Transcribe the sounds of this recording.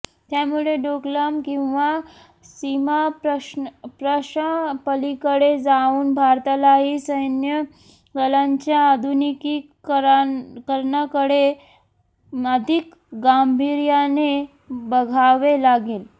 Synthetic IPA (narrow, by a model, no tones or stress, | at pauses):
t̪jamuɭeɖokləmkĩw̃ʋa | simaəpɾəɕapəlikəɽed͡zauːnbʱaɾt̪alaɦiːsəjnjə | ɡəlaɲt͡ɕjaːd̪ʱuniki | ɾkəɾɳakəɽe | əd̪ʱik | ɡambʱiɾjane | bəɡʱaʋelaɡeːl